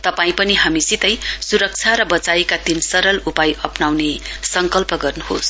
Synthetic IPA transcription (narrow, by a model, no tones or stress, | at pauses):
t̪ʌpaĩpʌniɦamisit̪ʌjsuɾʌk̚t͡sʰaɾʌbʌt͡saikad̪insʌɾʌlupajʌpnawnesʌŋkʌlpʌɡʌrnuhos